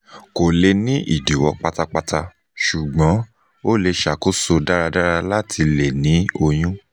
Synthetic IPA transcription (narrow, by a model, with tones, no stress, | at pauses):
ko˨le˧nĩ˦ʔḭ˨di˨wɔ˧k͡pa˧ta˧k͡pa˧ta˧ | ʃu˨ɡ͡bɔ̃˨˦ | o˦le˧ʃa˨ko˦so˧da˦ɾa˧da˦ɾa˧la˦tʰi˧le˨nĩ˨˦o˧j̃ũ˦